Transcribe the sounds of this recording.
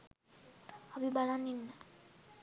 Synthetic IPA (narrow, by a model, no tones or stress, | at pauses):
abibalaninːa